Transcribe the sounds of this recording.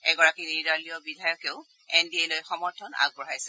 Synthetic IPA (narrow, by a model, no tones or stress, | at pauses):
ɛɡɔɹakiniɹdalijɔbidʱajɔkeʊ | ɛndiejlojxɔmɔɹtʰɔna̰ɡ̚bɔɦajsɛ